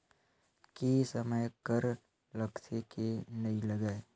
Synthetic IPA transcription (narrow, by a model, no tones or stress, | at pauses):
kesɐməjkəɾ | lɐktekenɐilɐɡaːe